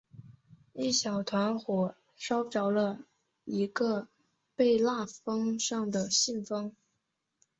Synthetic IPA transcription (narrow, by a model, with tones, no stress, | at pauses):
i˥˩ɕjɑ˨˩ʊt̪ʰwa˧˥nxwɔ˨˩ | ʂɑ˥ʊʈ͡ʂɑ˧˥ʊlə˧ | i˧˥ɡə˧ | pe˥˧ɪla˥˩fɤ˥ŋʂɑ˥˩ŋd̪ə˩ɕi˥˩nfɤ˥ŋ